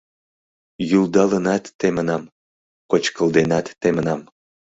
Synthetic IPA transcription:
juld̪ɑlənɑt̪ːemənɑm | kot͡ɕkəld̪enɑt̪ːemənɑm

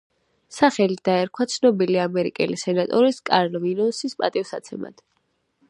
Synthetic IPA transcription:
saχɛlid̪̥aɛɾkʰwat̪sʰnɔbiliamɛɾḭkʼɛ̰lisɛnat̪ʼɔɾiskʼaɾlvinɔsispʼat̪ʼivsat̪sʰɛma̰d̪̥

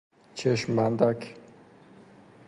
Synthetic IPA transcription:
t͡ʃʰeʃmand̪ak

